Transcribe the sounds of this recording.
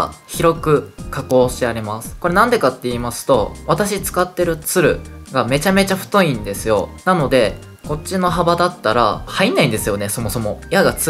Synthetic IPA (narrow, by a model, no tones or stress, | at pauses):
çiɾo̞kɯ̟kako̞ːɕt̪eaɾe̞masɨ̥ko̞ɾe̞nãnd̪e̞kat̪ːe̞iːmasɨ̥t̪o̞β̞at̪aɕit͡sɨ̥kat̪ːe̞ɾɯ̟t͡sɨɾɯ̟̰ɡame̞t͡ɕame̞t͡ɕaɸɯ̟̥t̪o̞ĩnd̪e̞sɨjo̞̰nano̞d̪e̞ | ko̞t͡ɕːino̞ɦabad̪at̪ːaɾa̰hainːaĩnd̪e̞sɨjo̞ne̞so̞mo̞so̞mo̞jaɡat͡sɨ